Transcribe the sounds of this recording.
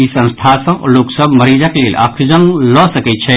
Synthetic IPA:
isə̃nst̪ʰasə̰̃loːksəbʱməɾiːd͡ʒakeleːleʔa̰kʰud͡ʒənlɔsəkɛt̪̚t͡ʃʰɛ

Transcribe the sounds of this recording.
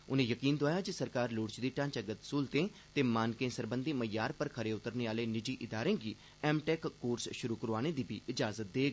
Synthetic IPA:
ʊnẽːjəkiːnd̪ʊaːjaːd͡ʒɪsəɾkaːɾlʊːɽt͡ʃd̪iːʈãːt͡ʃəɡət̪suːlt̪ẽːt̪eːmaːnkẽːnsəɾbənd̪iːməjːaːɾpəɾkʰəɾeːʊt̪ːəɾneːaːleːnɪd͡ʒiːʔɪd̪aːɾẽːɡiː | ɛːmʈɛːkːoːɾsʃʊɾuːkəɾoaːñeːd̪iːbʱiːʔɪd͡ʒaːzət̪̚d̪eːɡ

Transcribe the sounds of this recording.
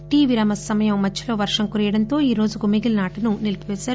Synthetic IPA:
ʈiːʋiɾɐmɐsːɐmɐjɐmːɐt͡ʃːilo̞ːʋɐɾʂɐŋkuɾijɐɽɐnt̪o̞ːiːɾo̞ːd͡ʒuɡumiɡilnaːʈinunilpiʋɛːsaːɾ

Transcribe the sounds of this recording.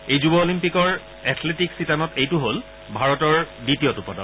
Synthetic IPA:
ejzubɔolimpikɔɹ | ɛtʰletiksitanɔtejtuɦol | bʱaɹɔtɔɹditijɔtupɔdɔ̰

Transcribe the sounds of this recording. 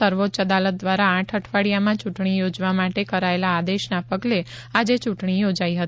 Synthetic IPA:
əɾʋot̪t͡ʃəd̪alət̪̚d̪ʋaɾãːʈʰəʈʰʋaɽijamãt͡ʃuʈɳ̃ijod͡ʒʋamaʈekəɾaelaːd̪eʃnapəɡle | ad͡ʒet͡ʃuʈɳijod͡ʒaiɦət̪

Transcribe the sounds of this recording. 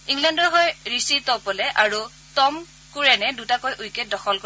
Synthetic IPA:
iŋlandɔɦojɹisitɔpɔlɛʔaɹu | tɔm | kuɹɛnɛdutakojʔujket̚dɔxɔlko

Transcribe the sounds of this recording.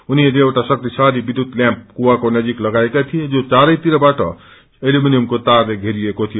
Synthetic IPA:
unieleewʈasʌk̚t̪isaɾibid̪ʱut̪ljãmp̚kuwakonʌd͡ʒiklʌɡaekat̪ʰijed͡zot͡saɾʌjt̪iɾʌbaʈʰʌ̰ | eluminijumkot̪aɾleɡʱeɾiekot̪ʰijo

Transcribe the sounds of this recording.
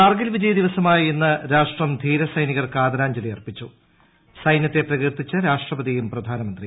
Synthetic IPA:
aːrɡilʋid͡ʑɐjɐd̪iʋɐsɐmaːjienːɨɾaːʂʈrɐmd̪ʱiːɾɐsɐjniɣɐrkaːd̪ɐɾaːɲd͡ʑɐlijɐrpit͡ɕːu | sɐjnjɐt̪ːe̞prɐɣirt̪it͡ɕːɐɾaːʂʈrɐbɐd̪ijumprɐd̪ʱaːnɐmɐnd̪ri

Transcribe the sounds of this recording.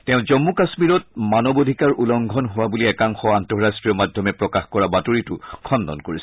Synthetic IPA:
tɛʊ̃zɔmːukasmiɹɔt̚manɔbodʱikaɹʔulɔŋɡʱɔnɦʊwabuliɛkaŋxɔantɔɹastɹijɔmadʱɔmɛpɹɔkaxkɔɹabatoɹitʊkʰɔndɔ̰nkoɹis

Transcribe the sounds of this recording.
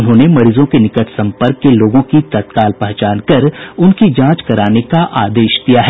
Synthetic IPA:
ʊnɦõːnemɐɾiːzõkenɪkət̪ʰsɐ̃mpəɾkːeloːɡõkit̪ɐt̪̚kaːlpɛɦt͡ʃaːnkɐɾʊnkid͡ʒãːt͡ʃkɐɾaːnekaʔaːd̪eːʃd̪ijaɦɛː

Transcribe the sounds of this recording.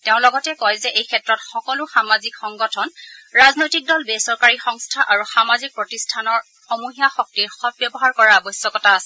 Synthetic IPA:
teʊ̃lɔɡɔtɛkɔjzɛʔejkʰɛtɹɔtxɔkɔlʊxamazikxɔŋɡɔtʰɔnɹaznojtik̚dɔlbesɔɹkaɹixɔŋstʰaʔaɹuxamazik̚pɹɔtistʰanɔɹ | xɔmuɦijaxɔk̚tiɹxɔb̚bjɔbɔɦaɹkɔɹaabɔjsjɔkɔtaasɛ

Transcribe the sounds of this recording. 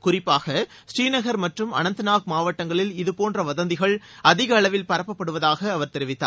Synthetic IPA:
kʊrɪpːaːɣɐ | sʈiːnɐɣɐɾmɐʈrɯmɐ̰nɐnt̪ɯnaːk̚maːʋɐʈːɐŋɡɐɭɪlɪðɯpoːndrɐʋɐðɐnd̪ɪɣɐɭɐðɪɣɐːɭɐʋɪlpɐɾɐpːɐpːɐɽɯʋɐðaːɣɐːʋɐɾt̪ɛɾɪʋɪt̪ːa̰ːɾ

